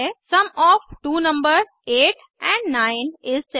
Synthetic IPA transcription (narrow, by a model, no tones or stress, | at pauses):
sɐ̃mɔːfʈuːnɐ̃mbəɾzeːʈ | ɛ̃ɳɖnãːɪ̃nɪzse